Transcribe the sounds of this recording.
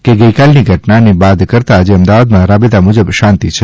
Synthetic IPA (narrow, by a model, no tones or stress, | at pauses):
keɡəjkalniɡʱəʈnanebad̪kəɾt̪aːd͡ʒeəmd̪aʋad̪mãɾabed̪amud͡ʒəbʃãnt̪it͡ʃʰe